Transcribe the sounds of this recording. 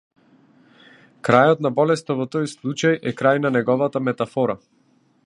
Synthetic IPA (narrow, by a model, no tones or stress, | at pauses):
kɾajɔt̪nabɔlɛst̪ɔvɔt̪ɔjslˠut͡ʃajʔɛkɾajnanɛɡɔvat̪amɛt̪afɔɾa